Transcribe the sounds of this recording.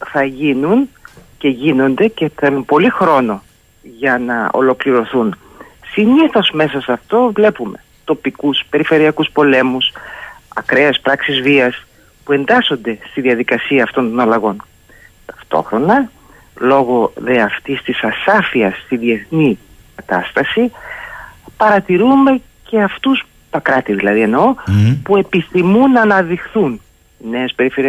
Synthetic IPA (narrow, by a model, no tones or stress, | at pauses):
θɐʝinunce̞ʝino̞nd̪e̞ce̞θelumpo̞lixɾo̞no̞ | ʝɐnɐo̞̰lo̞kliɾo̞θun | siɲiθo̞zme̞sɐsɐft̪o̞vle̞pume̞ | t̪o̞pikuspe̞ɾife̞ɾiɐkuspo̞le̞musɐkɾe̞espɾɐksizviɐs | pue̞nd̪ɐso̞nd̪e̞st̪iðiɐðikɐsiɐːft̪o̞nt̪o̞nɐlɐɣo̞n | t̪ɐ̥ft̪o̞̰xɾo̞nɐ | lo̞ɣo̞ðeɐft̪ist̪isɐsɐfiɐst̪iðie̞θni | kɐt̪ɐst̪ɐsi | pɐɾɐt̪iɾume̞ | ce̞ɐft̪us | t̪ɐkɾɐt̪iðilɐðie̞no̞pue̞piθimunːɐːnɐðixθun | ne̞ːspe̞ɾife̞ɾi